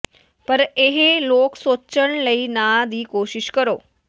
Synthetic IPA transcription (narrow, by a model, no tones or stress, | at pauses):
pəɾeɦeloːksot͡ʃəɳ̃ləinad̪iːkoʃɪʃkəɾoː